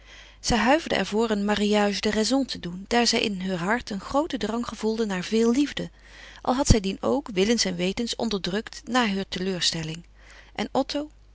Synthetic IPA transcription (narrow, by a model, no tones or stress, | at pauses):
z̥ɛjɦœɥvəɹdə̰ʔɛ̰ɹvʊːɹənmaːriaːʒdərɛzɔ̃ntədund̥aːɹzɛjʔɪ̰nɦøːɹɦɑɹtənχrowtədrɑŋχəvulˠdənaːɹvɪːlˠlːivdə | ʔɑ̰lˠɦɑtsɛjdino̰wkʋɪlənsɛnʋejtənsɔ̰ndəɹdrɵktnaːɹɦøːɹtəløːɹstɛlɪŋ | ʔɛ̰nɔtʰow